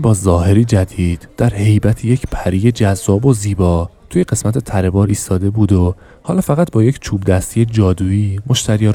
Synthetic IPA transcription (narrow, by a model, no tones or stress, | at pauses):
bɒːzɒːhe̞ɾiːd͡ʒæd̪iːd̪̥d̪̥æɾhe̞jbæt̪ʰejecʰpʰæɾiːje̞d͡ʒæzːɒːbo̞ziːbɒːt̪ʰuːjeɢe̞smæt̪ʰe̞t̪ʰæɾe̞bɒːɾiːst̪ɒːd̪e̞buːd̪o | hɒːlɒːfæɣæt̪̚bɒːje̞cʰt͡ʃʰuːbd̪æst̪ije̞d͡ʒɒːd̪uːiːmo̞ʃt̪ʰæɾijɒɾ